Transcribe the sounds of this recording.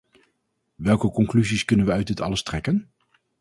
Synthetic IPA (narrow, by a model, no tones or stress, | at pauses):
ʋɛlˠkəkɔŋklyziskɵnənʋəœɥdɪtɑ̰ləstrɛkən